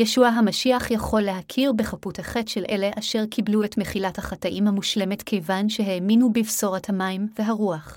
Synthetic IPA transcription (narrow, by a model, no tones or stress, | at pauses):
jeʃuaɦamaʃiaχjaχo̞lːeɦakʰiʁbeχaputhaχe̞tʃelʔe̞le̞ʔaʃe̞ʁkʰibluetme̞χilathaχataʔimhamuʃle̞me̞tkʰejvanʃe̞ɦeminubivso̞ʁathamajmve̞ɦaʁuaχ